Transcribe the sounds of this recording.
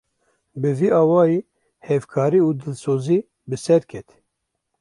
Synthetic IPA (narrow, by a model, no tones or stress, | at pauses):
bɨviːɑːwɑːjiː | hɛvkʰɑːɾiːuːd̪ɨlsoːziː | bɨsɛɾkʰɛt̪